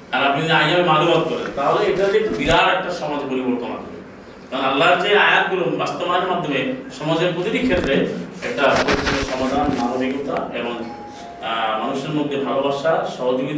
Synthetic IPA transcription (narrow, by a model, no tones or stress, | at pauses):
aɾapniajaemalumat̪̚kɔɾḛnt̪aɦɔleeʈad̪it̪ubiɾaɾɛk̚ʈasɔmad͡ʒpoɾibɔɭt̪ɔma̰d̪ʱɔmḛ | kalːaɾt͡ʃaeajat̪̚ɡuɾunbast̪ɔmaneɾmad̪ʱːɔmesɔmad͡ʒepud̪uɾikʰːet̪ːɾeɛk̚ʈapoɾit̪iɔsɔmad̪ʱanmanobʱikut̪aebɔŋ | manuʃeɾmod̪ʱːjebʱalɔbaɾʃasɔɦod͡ʒibid̪